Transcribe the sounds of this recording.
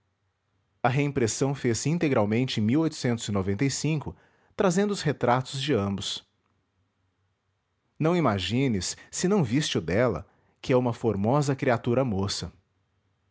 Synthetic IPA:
ɐɦeĩpɾesɐ̃w̃fesĩnt̪eɡɾawmẽnt͡ʃɪẽj̃miwojt̪ʊ̥sẽnt̪ʊz̥ɪnovẽnt̪ejsĩŋkʊ | t̪ɾazẽnd̪ʊʊshet̪ɾat̪ʊzd͡ʒɪɐ̃mbʊs | nɐ̃w̃imaʒĩnɪsːɪnɐ̃w̃vist͡ʃɪʊd̪ɛlɐ̰ | kɪɛũmɐfoɾmɔzɐkɾiat̪uɾɐmosɐ

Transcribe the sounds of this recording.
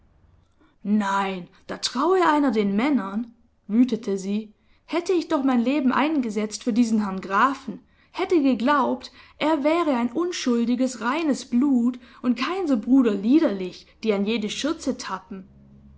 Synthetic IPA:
naɪnd̥aːtʁ̥aʊəʔaɪnɐdeːnmɛnɐn | vyːtətʰəziː | hɛtəɪçd̥ɔχmaɪnleːbm̩ʔa̰ɪnɡəzɛt͡stfyːɐdiːzn̩ɦɛɐnɡʁaːfn̩ | hɛtəɡəɡlaʊptʔeːɐvɛːʁəaɪnʔʊnʃʊldɪɡəsʁaɪnəsb̥luːtʔʊnt̚kʰaɪnzoːbʁuːdɐliːdɐlɪçd̥iːanjeːdəʃʏɐt͡sətʰapm̩

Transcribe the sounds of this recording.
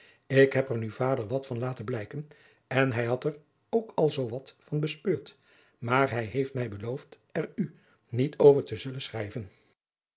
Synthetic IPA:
ɪkɦɛpɛɹnywvaːdəɹʋɑtfɑnlaːtənblɛjkən | ɛnɦɛjɦɑtɛɹ | owkɑlˠzowʋɑtfɑnbəspøːɹt | maːɹɦɛjɦejftmɛjbəlowft | ɛɹy | nitʰowvəɹtəzɵlənsχrɛjvən

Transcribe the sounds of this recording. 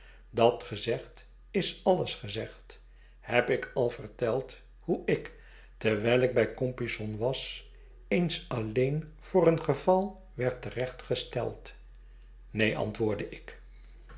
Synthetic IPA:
dɑtχəzɛχt | ɪsɑləsχəzɛχt | hɛpɪkʰɑlˠvəɹtɛlˠt | huʔɪk | təɹʋɛjlɪɡ̚bɛjkɔmpisɔnʋɑs | ejnsɑlejn | v̥ʊːrənχəvɑlˠ | ʋɛɹtərɛχtχəstɛ̰lˠt | nejʔɑ̰ntʋʊːɹdəʔɪk

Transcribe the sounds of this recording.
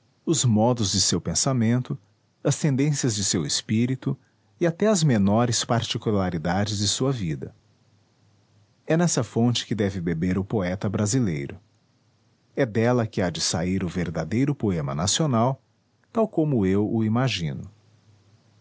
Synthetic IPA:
ʊzmɔd̪ʊzd͡ʒɪsewpẽsamẽnt̪ʊ | ɐst̪ẽnd̪ẽsiɐzd͡ʒɪsewɪspiɾit̪ʊ | ɪat̪ɛɐzmenɔɾɪspaɾt͡ʃikulaɾid̪ad͡ʒɪzd͡ʒɪsuɐvid̪ɐ̰ | ɛnɛsɐfõt͡ʃɪ̥kɪd̪ɛvɪbebeɾʊpoɛt̪ɐbɾazilejɾʊ | ɛd̪ɛlɐkɪad͡ʒɪsaiɾʊveɾd̪ad̪ejɾʊpoẽmɐ̰nasionaw | t̪awkõmʊewʊimaʒĩnʊ

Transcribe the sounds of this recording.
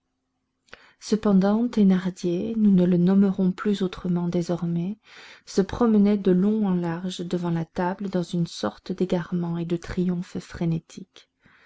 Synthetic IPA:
səpɑ̃d̪ɑ̃t̪enaʁd̪jenunələnɔməʁɔ̃plyzot̪χəmɑ̃d̪ezɔʁmɛ | səpχɔmənɛd̪əlɔ̃ɑ̃laʁʒd̪əvɑ̃lat̪abləd̪ɑ̃zynsɔʁt̪d̪eɡaʁmɑ̃ed̪ət̪χijɔ̃ffχenet̪ʰik

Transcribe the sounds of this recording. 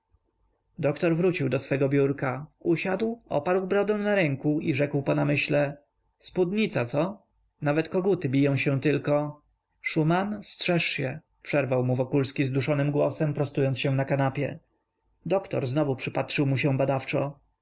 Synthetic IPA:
d̪ɔkt̪ɔɾvɾut͡ɕiwd̪ɔsfɛɡɔbʲjuɾkauɕad̪wɔ̰paɾwbɾɔd̪ɛ̃w̃naɾɛŋkuiʐɛkwpɔnamɘɕlɛ | spud̪ɲit̪sat̪sɔ | navɛt̪kɔɡut̪ɘbʲijɔ̃w̃ɕɛ̃t̪ɘlkɔ | ʂumanstʂɛʂɕɛ | pʂɛɾvawmuvɔkulskʲizd̪uʂɔnɘmɡwɔsɛmpɾɔst̪ujɔnt̪sɕɛ̃nakanapʲjɛ | d̪ɔkt̪ɔ̰ɾznɔvupʂɘpat̪ʂɘwmuɕɛ̃bad̪aft͡ʂɔ

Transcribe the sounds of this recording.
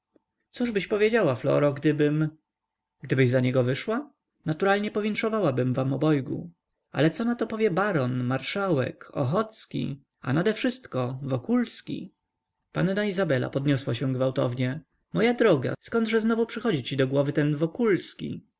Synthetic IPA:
suʐbɘɕpɔvʲjed͡ʑawaflɔ̰ɾɔɡd̪ɘbɘm | ɡ̥d̪ɘbɘʑzaɲɛɡɔvɘʂwa | nat̪uɾalɲɛpɔvʲjɛnt̪ʂɔvawabɘmvamɔbɔjɡṵ | a̰lɛt̪sɔnat̪ɔpɔvʲjɛbaɾɔnmaɾʂawɛ̰kɔ̰xɔt̪skʲḭ | a̰nad̪ɛfʂɘst̪kɔvɔkulskʲḭ | pannaizabɛla̰pɔd̪ɲɔswaɕɛ̃ɡvawt̪ɔ̰vɲɛ | mɔjad̪ɾɔɡa̰skɔnd̪ʐɛznɔvupʂɘxɔd͡ʑit͡ɕid̪ɔɡwɔvɘt̪ɛnvɔkulskʲḭ

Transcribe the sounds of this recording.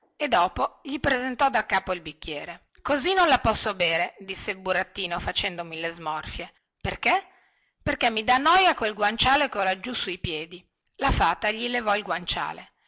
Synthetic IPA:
ed̪ːɔːpoʎipɾezent̪ɔd̪akːaːpoilbikːjɛːɾe | kozinõnlapɔsːobeːɾed̪isːelbuɾat̪ːiːnofat͡ʃɛnd̪omilezmɔrfje | perke | perkemːid̪anːɔjakwelɡwant͡ʃaːlekolad͡ʒusuipjɛːd̪i | lafaːt̪aʎilevɔilɡwant͡ʃa̰ːle

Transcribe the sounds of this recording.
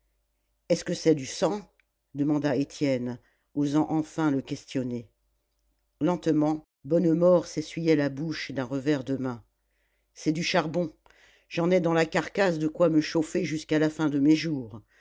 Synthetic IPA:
ɛskəsɛd̪ysɑ̃ | d̪əmɑ̃d̪aet̪jɛn | ozɑ̃ʔɑ̃fɛ̃ləkʲɛst̪jɔne | lɑ̃t̪mɑ̃ | bɔnmɔʁsesɥijɛlabuʃd̪ɛ̃ʁəvɛʁd̪əmɛ̃ | sɛd̪yʃaʁbɔ̃ | ʒ̥ɑ̃nɛd̪ɑ̃lakaʁkasd̪əkwaməʃofeʒyskalafɛ̃d̪əmeʒuːʁ

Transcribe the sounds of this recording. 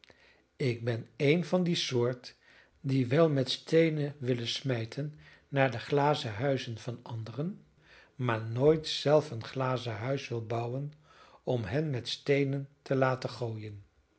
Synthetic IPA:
ɪɡ̚bɛnejnvɑndisʊːɹt | diʋɛlˠmɛtstejnəʋɪlənsmɛjtʰənː | aːɹdəχlaːzəɦœɥzənv̥ɑnɑndərən | maːɹnoːjtsɛlˠfənχlaːzəɦœɥsʋɪlˠbɑwən | ɔmɦɛnmɛtstejnəntəlaːtəχoːjən

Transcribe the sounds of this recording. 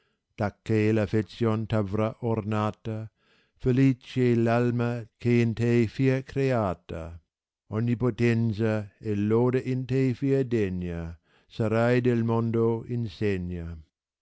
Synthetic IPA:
d̪̥akːelafetsjont̪avɾaʔoɾnaːt̪ɐ | felit͡ʃelalmɐkeːnt̪ejfiɐkɾeaːt̪ɐ̰ | onːipot̪ɛnsɐeloːdeʔint̪ejfiɐd̪eɲːɐ | sɐɾajd̪elmond̪oinseɲːa

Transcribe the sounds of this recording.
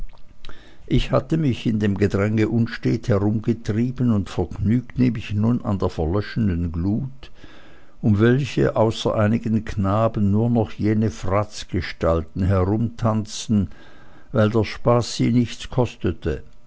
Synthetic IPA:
ʔɪçhatəmɪçɪndeːmɡədʁɛŋəʔʊnʃteːthɛʁʊmɡətʁ̥iːbənʊntfɛɐɡnyːktneːmɪçnuna̰ndeːɐfɛɐlœʃəndənɡluːt | ʔʊmvɛlçə̰ʔaʊsɐ̰ʔaɪnɪɡənkʰnaːbən̩ːuːɐnɔχjeːnəfʁat͡sɡ̥əʃtaltn̩ɦɛʁʊmtʰant͡sn̩ | vaɪldaʃpaːsz̥iːnɪçt͡skʰɔstətʰə

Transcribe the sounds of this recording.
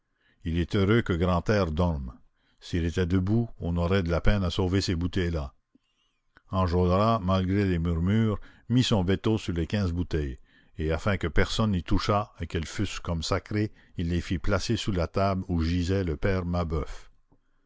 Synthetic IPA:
ilɛt̪øʁøkəɡʁɑ̃t̪ɛːʁd̪ɔʁm | silet̪ɛd̪əbuɔ̃nɔʁɛd̪əlapɛnasoːvesebut̪ɛjla | ɑ̃ʒodʁamalɡʁelemyʁmyːʁmisɔ̃vet̪osyʁlekʲɛ̃ːzbut̪ɛj | eafɛ̃kəpɛʁsɔnːit̪uʃaekɛlfyskɔmsakʁe | ilːefiplasesulat̪abluʒizɛləpɛːʁmabœf

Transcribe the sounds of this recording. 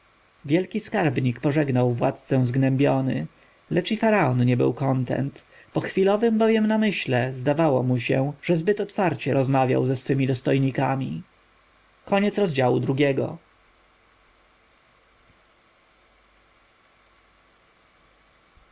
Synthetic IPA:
vʲjɛlkʲiskaɾbɲikpɔʐɛɡnawvwa̰t̪t̪sɛ̃zɡnɛmbʲjɔnɘ̰ | lɛt͡ʂifaɾaɔnɲɛbɘ̰wkɔnt̪ɛ̰nt̪ | pɔxfʲilɔvɘmbɔvʲjɛmnamɘɕlɛzd̪avawɔmuɕɛʐ̥ɛzbɘt̪ɔt̪faɾt͡ɕɛɾɔzmavʲja̰wzɛsfɘmʲid̪ɔst̪ɔjɲikamʲḭ | kɔɲɛt̪sɾɔzd͡ʑawṵd̪ɾuɡʲɛɡɔ̰

